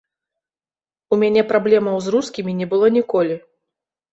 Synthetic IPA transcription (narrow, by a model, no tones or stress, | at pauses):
umʲanʲɛpɾablʲɛmɐwzruskʲimʲinʲɛbɨlˠɔnʲikɔlʲi